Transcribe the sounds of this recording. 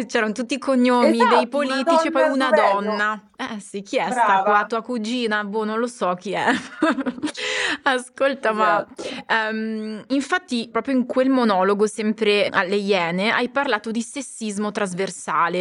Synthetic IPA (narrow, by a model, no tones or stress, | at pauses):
t͡ʃɛːɾanot̪ut̪ːikoɲːomid̪ejpoliːt̪it͡ʃipɔjunad̪ɔnːa | ɛsik̟ːiɛsaklat̪uːakud͡ʒiːnabunonlosɔk̟ːiɛ | askolt̪amaɛmiɱfat̪ːipɾɔːpɾjoiŋkwelmonɔːloɡosɛmpɾea̰lːejɛːnea̰jparlaːt̪od̪isesːizmot̪ɾazversaːle